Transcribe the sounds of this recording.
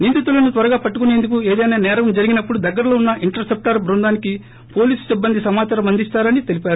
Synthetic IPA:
niːnd̪it̪ulɐnut̪ʋɐɾɐɡaːpɐʈːukunend̪ukueːd̪ɐjnaːnɛːɾɐʋɐmd͡ʒɐɾiɡinɐpːuɽud̪ɐɡːɐɾɐloːunːɐʔiɳʈɐɾsep̚ʈɐɾbɾund̪aːniki | po̞ːliːsu̥sibːɐnd̪isɐmaːt͡ʃɐɾɐmɐnd̪ist̪aːɾɐnit̪e̞lipaːɾu

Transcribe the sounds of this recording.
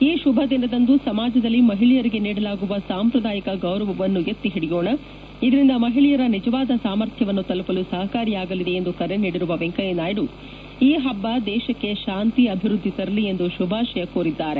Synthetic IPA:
iːʃubʱɐd̪inːɐd̪ɐnd̪usɐmaːd͡ʒɐd̪ɐlːimɐɦiɭijɐɾiɡe̞niːɽɐlaːɡuʋɐsaːmpɾɐd̪aːjɐkɐɡɐwɾɐʋɐʋɐnːujet̪ːiɦiɽijoːɳɐ | id̪ɐɾind̪ɐmɐɦiɭijɐɾɐnid͡ʒɐʋaːd̪ɐsaːmɐɾt̪ʰjɐʋɐnːut̪ɐlupɐlusɐɦɐkaːɾijaːɡɐlid̪eend̪ukɐɾe̞niːɽiɾuʋɐʋeŋkɐjenaːjɾu | iːɦɐbːɐd̪ɛːʃɐkːe̞ʃaːnt̪iɐbʱiɾud̪ʱːit̪ɐɾɐlie̞nd̪uʃubʱaːʃɐjɐkoːɾid̪ːaːɾe̞

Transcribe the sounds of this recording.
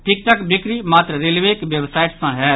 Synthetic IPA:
ʈʰɪk̚ʈ̪əkbɪkɾiːmaːt̪ɾəɾelʋeːkʋjebsaːɪʈsãːɦɛː

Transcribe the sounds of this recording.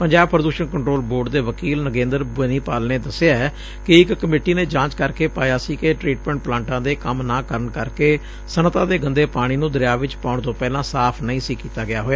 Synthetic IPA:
pəɲd͡ʒaːb̚pəɾəd̪uːʃəɳkəɳʈɾoːlboːɾɖd̪eːʋəkiːlnəɡẽːnd̪əɾbənĩːpaːlneːd̪əsɪaːɛː | kɪɪkːəmeːʈiːneːd͡ʒãːt͡ʃkəɾkeːpaːjaːsiːkeʈɾiːʈmɛ̃ːɳʈ̚plãːɳʈãːd̪eːkəmnãːkəɾəɳkəɾkeː | sənət̪ãːd̪eːɡənd̪eːpaːɽ̃iːnũːd̪əɾɪjaːʋɪt͡ʃpãːʊɳt̪õːpɛːlãːsaːpʰnəĩːsiːkiːt̪aːɡɪjaːɦoːjaː

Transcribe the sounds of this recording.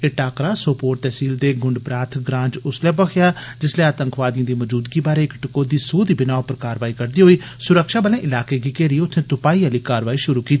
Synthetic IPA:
eʈaːkɾaːsoːpoːɾt̪ɛːsiːld̪eːɡʊɳɖbɾaːt̪ʰɡɾãːɲd͡ʒʊslɛːpəkʰjaːd͡ʒɪslɛːaːt̪ə̃ŋkʋaːd̪ijãːd̪iːməd͡ʒuːd̪ɡiːbaːɾeːɪkʈɪkoːd̪iːsuːd̪iːbɪnaːopəɾkaːɾʋaːiːkəɾd̪iːɦoːiː | sʊɾəkʃaːbəlẽːʔɪlaːkeːɡiːkeːɾiːʊsʰnẽːt̪ʊpaːiːaliːkaːɾʋaːiːʃʊɾuːkiːt̪ː

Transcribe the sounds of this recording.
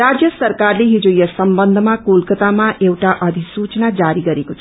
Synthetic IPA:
ɾad͡zjʌsʌɾkaɾleɦid͡ʒojʌsʌmbʌnd̪ʱmakulkət̪amaʔewʈaʔʌd̪ʱisut͡ʃnad͡zaɾiɡʌɾekot͡sʰ

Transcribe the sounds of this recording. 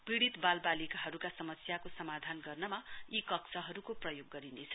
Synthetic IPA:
piɽit̪balbalikaɦʌɾukasʌmʌsjakosʌmad̪ʱanɡʌrnʌmaikʌksʰʌɦʌɾukoprʌjoɡːʌɾinet͡sʰʌ̥

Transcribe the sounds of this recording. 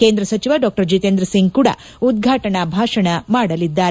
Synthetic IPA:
keːnd̪ɾɐsɐt͡ʃiʋaɖɔːk̚ʈɐɾd͡ʒit̪eːnd̪ɾɐsiŋɡkuːɽɐ̰ | ud̪ɡʱaːʈɐɳɐbʱaːʂɐɳɐmaːɽɐlid̪ːaːɾe

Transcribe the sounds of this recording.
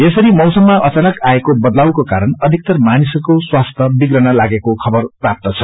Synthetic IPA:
esʌɾimʌwsʌmːaʔʌt͡sanʌkaekobʌd̪lawkokaɾʌnʌd̪ʱik̚t̪ʌrmanisʌkoswast̪ʰʌbiɡrʌnʌlaɡekokʰʌbʌrprap̚t̪ʌt͡sʰʌ

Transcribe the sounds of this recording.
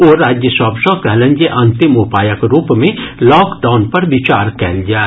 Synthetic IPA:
oːɾaːd͡ʒjəsɔːpsɔ̃kɛɦlə̃nd͡ʒeʔɐ̃nt̪ɪmupaːjəkɾuːpmẽlɔːkɖaːʊnpɐɾʋɪt͡ʃaːɾkɛ̰ːld͡ʒaː

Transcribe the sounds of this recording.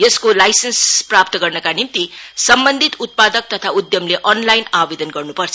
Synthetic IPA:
jʌskolajsensprap̚t̪ʌɡʌrnʌkanimt̪isʌmbʌnd̪ʱit̪ut̪̚pad̪ʌk̚t̪ʌt̪ʰaud̪jʌmleʔʌnlajnabed̪ʌnɡʌrnupʌrt͡sʰʌ

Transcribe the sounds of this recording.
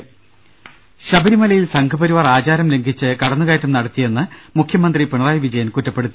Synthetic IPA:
ɕɐbɐɾimɐlɐjilsɐŋɡʰʱɐbɐɾiʋaːraːd͡ʑaːɾɐmle̞ŋɡʱit͡ɕːɨkɐɽɐnːuɣaːtːɐmnɐɽɐt̪ːije̞nːɨmukʰjɐmɐnd̪ripiɳɐðaːjɐʋid͡ʑɐjɐnkutːɐpːe̞ɽut̪ːi

